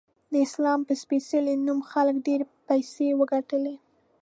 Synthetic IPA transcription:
d̪əɪslɑmpəspesəlenumxaləkɖeɾpajsewəɡaʈəle

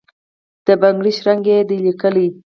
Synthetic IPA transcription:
d̪̥əbaŋɡɽiʃɾaŋɡed̪əlikəli

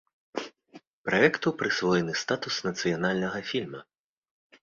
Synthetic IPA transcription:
pɾʔaɛkt̪upɾɨsvɔjɛnɨst̪at̪usnɐt̪sɨjanalʲnɐɣɐfʲilʲmɐ

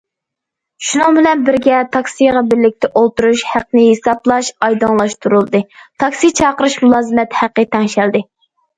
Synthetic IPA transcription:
ʃunɨŋbɪlɛnbɪɾɡʲɛt̪ʰɑkʲsijʁɑbɪɾlɪk̚ʲt̪ʰɛʔolˠt̪uɾuʃhæqnɨhesɑblˠɑʃɑjd̪ɨŋlˠɑʃt̪ʰuɾulˠɨd̪ɨt̪ʰɑksit͡ʃʰɑːqəɾɨʃmulˠɑːzɨmɛt̪hæqːət̪ʰɛŋʃæld̪ɪ

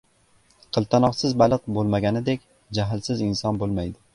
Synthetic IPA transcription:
qʰɨlˠt̪ʰanɒqsɪzbalˠɨq̚bolˠmaɡʲanɪd̪ekʲ | d͡ʒaɦɪlsɪzɪnsɒnbolˠmajd̪ɪ

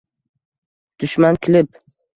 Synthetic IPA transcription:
d̪̥ʊʃmankʲʰɪlɪp

